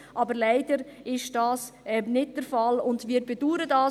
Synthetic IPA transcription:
ʔɑbəɾlaɪd̥əɾɪʃd̥ɑːsɛnɪd̚d̥əɾfɑlʊndvɪːɾbeduːɾədɑː

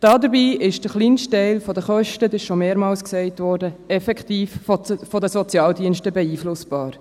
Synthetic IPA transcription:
d̥ɑːdəɾbiːʔɪʃd̥əχliːnstɛɪlfɔdəχœʃtədɪʃʃomeːɾmɑːlsksɛɪtvʋɔːɾdəɛfɛktiːffɔdəsɔt͡sjɑːldiənʃtəbɛiːflʊsb̥ɑːɾ

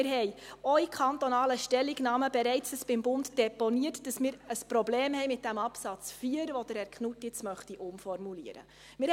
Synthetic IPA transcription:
ɪɾɦɛɪɔikʰɑnt̪ɔnɑːləʃtɛlːiɡnɑːməbɛɾɛɪt͡səsb̥ɪmbʊndd̥ɛponiətd̥ɑsmɪːɾəspɾobleːmɦɛjmɪt̚d̥æmɑpsɑt͡sfiːəɾʋɔdəɾæɾkχnutːɪt͡smœχtiʔʊmfɔrmulḭəɾə̰ | mɪɾ

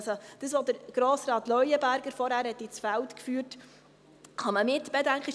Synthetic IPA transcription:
sod̥əsʋod̪əɾɡ̥ɾoːsɾɑːt̪lœʏəbæɾɡəɾfɔɾhæːɾhɛt̪ːit͡sfæltkfyːt | χɑməmɪt̪b̥edæŋkχəɪ

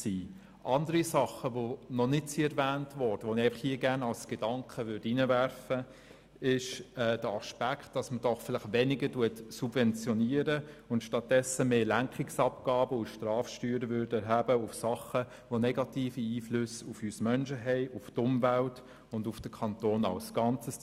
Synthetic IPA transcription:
siː | ʔɑndəɾisɑχəʋonɔnɪtt͡siːɛɾvæːntʋɔɾd̥əʋonɪɛɪfɑχhiːəɡæɾnɑlsɡ̥ed̥ɑŋkʰχəvʏɾdinəvæɾfə | ɪʃɛːd̥əɑʃpæktd̥ɑsməd̥ɔχfɪlɪχʋɛnɪɡəduətsubvɛnt͡sjɔniːəɾəʊntʃtɑt̚d̥ɛsːəmeːlæŋkχɪksɑpɡ̥ɑːbəʊʃtrɑːfʃtyːɾəvʏɾdəɛɾɦæbəʊfsɑχə | ʋonɛɡɑtiːfiiːfløsufysmœnʃəɦɛɪʔʊftʊmvælt | ʊndufd̥əkʰɑnt̪oːnɑ̰lsɡ̥ɑnt͡səs

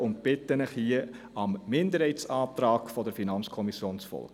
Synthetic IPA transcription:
ʊnt̚b̥ɪtənəχhiə | ɑmːɪndəɾhɛɪtsɑːtrɑːkfɔdəɾfinɑnt͡skʰɔmisjoːnsfɔ̰lɡ̥

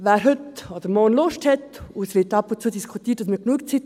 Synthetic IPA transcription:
væːɾɦətɑdəmoːnloʃthɛtusvitɑpuntt͡suədiskʰutiətd̥ɑs̬miɡnuək̚t͡sit

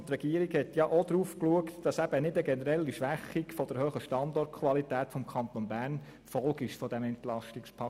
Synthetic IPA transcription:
t̪ɾɛɡ̥iːəɾikhɛt̪jɑʔod̪ɾuːfkluəktd̥ɑsæb̥ənɪdəɡɛnəɾɛlːiʃʋæχikfɔd̥əɾhøχəʃtɑndɔrttkʰʋɑlitæːtfɔmkʰɑnt̪onbæːɾn | fɔlɡɪʃfɔdæmɛntlɑʃtɪkspʰɑ

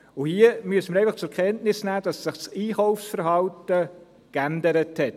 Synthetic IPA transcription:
ʊhiəmyəsəməɾɛɪfɑχt͡sʊɾkʰɛntnɪsnæːd̥ɑsːɪχsiːχɔʊfsfəɾɦɑltə | kændəɾəthɛt̚

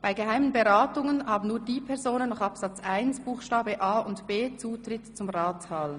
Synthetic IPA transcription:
b̥aɪɡeɦaɪmənbeʁaːtʊŋənhaːbn̩nuːɐdiːpʰɛʁzoːnənːɔχɑpsɑt͡sʔaɪnsb̥uːxʃtaːbəʔaːʊntb̥eːt͡suːtrɪtt͡sʊmʁaːt͡shaːl

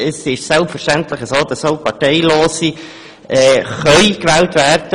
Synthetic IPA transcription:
əsɪʃsɛlpfəɾʃtɛntləχəsoːd̥ɑsoʊpɑɹteɪloːsi | ʔɛːχœʏkʋɛːltvæːɾd̥ə

